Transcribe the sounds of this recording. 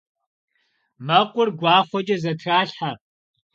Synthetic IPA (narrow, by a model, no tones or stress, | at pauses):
mɐqʷʼʊrɡʷɑːχʷɔt͡ʃʼɐzɐtʰraːɬħa